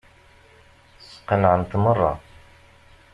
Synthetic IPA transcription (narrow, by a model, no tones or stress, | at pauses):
sə̥qənʕənt̪mərˤːɑ̰